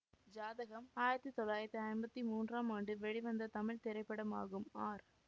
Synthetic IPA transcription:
d͡ʒaːðɐɣɐmaːjɪɾɐt̪ːɯt̪ɔlːaːjɪɾɐt̪ːɯɐɪnbɐt̪ːimuːndraːmaːɳɖɯʋɛɻiʋɐnd̪ɐt̪ɐmɪɭt̪ɛɾɐɪpːɐɽɐma̰ːɣɯmaːɾ

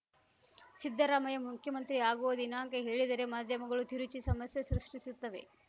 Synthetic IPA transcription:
sid̪ʱːɐɾaːmɐjɐmukʰjɐmɐnt̪ɾiaːɡuʋɐd̪inaːŋkeɦe̞ːɭid̪ɐɾemaːd̪ʱjɐmɐɡɐɭut̪ʰiɾut͡ʃisɐmɐsjɐsɾɨʂʈisut̪ːɐʋe̞̰

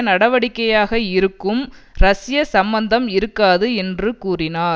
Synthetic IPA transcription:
nɐɽɐʋɐɽɪkːɐjaːɣɐɪɾɯkːɯmɾɐsɪjɐsɐmbɐnd̪ɐmɪɾɯkːaːðɯɛndrɯkuːrɪnaː

